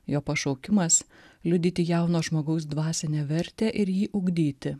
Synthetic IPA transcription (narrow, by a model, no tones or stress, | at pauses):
joːpɐʃoʊkʲɪmɐslʲʊd̪ʲiːt̪ʲiːjɛʊnoːʒmoːɡɐʊs̬d̪ʋɑːsʲɛnʲeːʋʲɛɾʲt̪ʲeːʔɪɾjiːʔʊɡd̪ʲiːt̪ʲɪ